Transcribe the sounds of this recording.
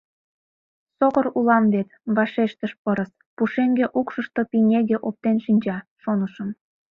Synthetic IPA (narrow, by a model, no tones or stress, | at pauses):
soɣəɾulɑmβet̪βɑʃeʃt̪əʃpəɾəs | puʃeŋɡeʔukʃəʃt̪opinʲeɣeʔop̚t̪enʃinʲd͡ʑɑʃonəʃəm